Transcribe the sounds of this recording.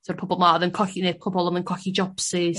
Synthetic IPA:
sɔɾpʰɔbɔlˠmaðənkʰɔkinekʰɔbɔlˠəmənkʰɔkid͡ʒɔpsi

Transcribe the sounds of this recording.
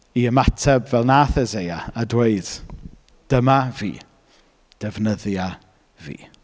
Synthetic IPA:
iəmatʰɛbvɛlˠnaːθɛzejaadweɨd̥ | d̥əmavḭː | d̥ɛvnəðja | vḭː

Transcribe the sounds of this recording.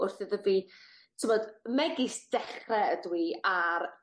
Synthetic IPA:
ʊrθɪðəviː | tʰɪvɔdmɛɡɪsd̥ɛχrɛədwiːaɾ

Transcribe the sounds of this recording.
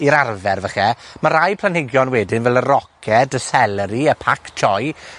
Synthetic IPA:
iɾarvɛrvəχɛmaɾajpʰl̥ˠanhɪɡjɔnwɛdɪnvɛlˠərɔkʰɛdəsɛlˠəɾiəpʰakt͡ʃʰɔj

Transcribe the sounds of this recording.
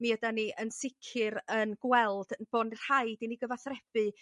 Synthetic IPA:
niədaniʔənsɪkʰɨɾənɡwɛlˠd̥ənb̥oːnr̥hajdiniɡəvaθrɛb̥ɨ

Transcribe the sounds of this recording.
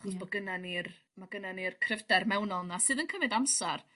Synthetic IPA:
χɔsb̥ɔɡənanir | maɡənanirkʰrɪvdɛrmɛwnɔlˠnasɨːðənkʰəmɨdamsar

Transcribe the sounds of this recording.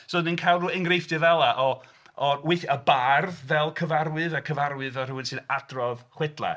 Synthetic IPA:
soːdninkʰajlˠruɛŋɡrejfd̥ɨvɛlˠaʔɔ | ɔweθəbarðvɛlˠkʰəvarwɨðakʰəvarwɨðɔruwɨnsɨnadrɔðχwɛdlˠa̰

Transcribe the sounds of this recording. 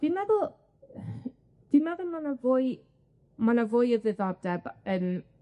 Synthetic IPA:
d̥imɛðʊlˠ | d̥imɛðʊlˠmanavʊj | manavʊjəvɨðɔb̚dɛbən

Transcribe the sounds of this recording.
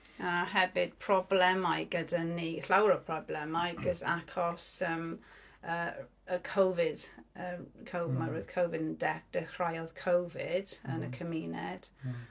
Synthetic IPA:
aɦɛvɪd̥̚pʰɹ̥ɔblɛmajɡədəniɬawɹəpʰɹɔblɛmajɡəzakʰɔsəm | ə | əkʰowvɪd̥əkʰowmaɹuð̥kʰowvɪdəndɛk̚d̥əhɹajɔð̥kʰowvɪdənəkʰəmiːnɛd̥

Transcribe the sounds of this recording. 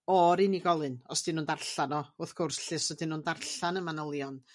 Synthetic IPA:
ɔɾɨniɡɔlˠɨnɔsd̥inːuːndarɬanɔʊθɡ̥ʊrsɬɪsɔdinuːndarɬanəmanəlˠjɔn

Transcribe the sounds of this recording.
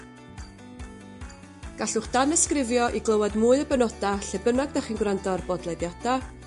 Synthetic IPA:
ɡ̥aɬʊχd̥anəskrɪvjɔʔiɡlˠəwadmuːɨəbənɔd̥aɬɛbənaɡ̚daχinɡwrandɔrbɔdlˠedjɔda

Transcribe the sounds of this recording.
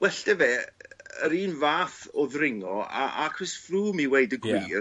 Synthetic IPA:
wɛɬd̥ɛvɛːəɾiːnvaːθɔðrɪŋɔa̰akʰrɪsfruːmiwejdəɡwiːr

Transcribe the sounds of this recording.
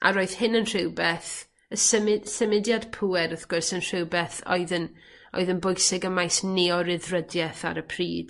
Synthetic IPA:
ʔa̰ɾoɨðhɪnənr̥ɪwbɛθ | əsəmɪsəmɪdjadpʰuɛɾəθɡ̥ʊrsənr̥ɪwbɛθɔ̰ɨðən | ɔ̰ɨðənbʊjsɪɡəmajsneɔɾɪðrədjɛθa̰ɾəpʰriːd̥

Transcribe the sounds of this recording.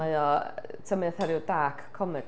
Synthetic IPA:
ajɔ | tʰəmɨθɛɾjʊdaːkʰːɔmɛ

